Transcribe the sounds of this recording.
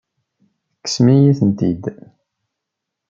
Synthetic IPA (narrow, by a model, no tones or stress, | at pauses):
kːə̥smijiθənt̪id̪